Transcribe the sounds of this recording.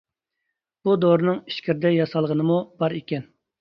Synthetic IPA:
b̥ud̪oɾɨnɨŋiʃkʲiɾɪd̪ɛjɑsɑlˠʁənɨmub̥ɑɾekʲɛn

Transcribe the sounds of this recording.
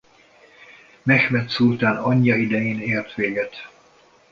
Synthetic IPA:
mɛxmɛt̪sult̪aːnɒɲːɒid̪ɛjeːneːrt̪ʋeːɡɛt̪

